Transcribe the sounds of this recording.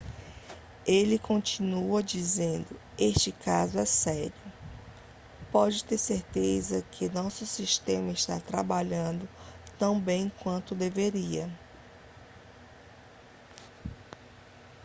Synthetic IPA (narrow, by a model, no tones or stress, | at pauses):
elɪkõnt͡ʃinuɐd͡ʒizẽnd̪ʊeʃt͡ʃɪkazʊɛsɛɾijʊ | pɔd͡ʒɪt̪eɾseɾt̪ezɐkʰɪnɔsʊsiʃt̪ẽmɐɪʃt̪at̪ɾabaʎɐ̃nd̪ʊt̪ɐ̃w̃bẽj̃kwɐ̃nt̪ʊd̪eveɾiɐ